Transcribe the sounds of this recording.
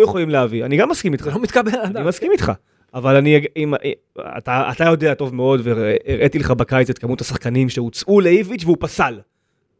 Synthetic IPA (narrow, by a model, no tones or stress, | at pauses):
jeχolimleavianiɡamːaskimit̪χalomit̪kabelaimaskimit̪χa̰ | avalaniɡim | a̰taa̰t̪ajo̞de̞ato̞vmeo̞dveːʁʔet̪ileχabakajt͡set̪̚kamut̪asaχkanimʃe̞ut͡sʔuleivit͡ʃveupasal